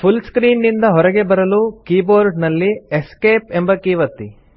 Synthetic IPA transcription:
pʰulskɾiːnːind̪ɐɦɔɾɛɡe̞bɐɾɐlukiːboːɾɖnɐlːieskeːpembɐkiːʋɐt̪ːi

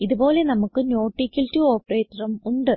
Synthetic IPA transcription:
iðubo̞ːle̞nɐmukːɨno̞ːʈːikʲːiltuo̞ːpːɐreːt̪ːɐrɐmuɳɖɨ

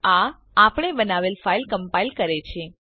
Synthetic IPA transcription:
a | apɽ̃ebənaʋelfailkəmpailkəɾet͡ʃʰe

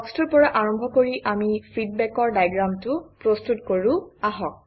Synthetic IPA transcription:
ɔkstuɹpɔɹaʔaɹɔmbʱɔkoɹiʔamifʰidbɛkɔɹdajɡɹamtʊpɹostutkoɹʊ̃aɦɔk̚

